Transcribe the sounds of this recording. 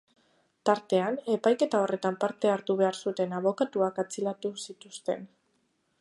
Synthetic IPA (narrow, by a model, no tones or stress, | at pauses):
t̪aɾt̪e̞ane̞pajke̞t̪ao̞re̞t̪ampaɾt̪e̞aɾt̪uβ̞e̞aɾsut̪e̞naβo̞kat̪uakat͡silat̪usit̪ust̪e̞n